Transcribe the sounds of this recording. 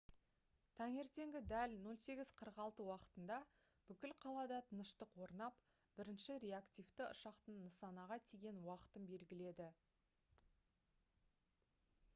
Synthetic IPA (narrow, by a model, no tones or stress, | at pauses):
t̪ʰɑŋe̞ɾt̪e̞ŋɡʲɪd̪ælno̞lˠse̞ɡʲɪz̥qʰəɾəqɑlˠt̪əwɑqə̥t̪ənd̪ɑ | b̥ʏkʲɪlqʰɑlˠɑd̪ɑt̪ʰənəʃt̪əqwo̞ɾnɑp | b̥ɪɾɪnʃɪɾʲe̞akt̪ʲijft̪ɪʔʊ̰ʃɑqt̪ənːəsɑnɑʁɑt̪ʰeɡʲe̞nwɑqə̥t̪əmbe̞lɡʲɪle̞d̪ɪ